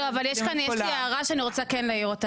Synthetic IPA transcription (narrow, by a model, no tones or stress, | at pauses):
oavaljɛʃkanjɛaʁaʃeaniʁo̞t͡sakenlaiʁot̪a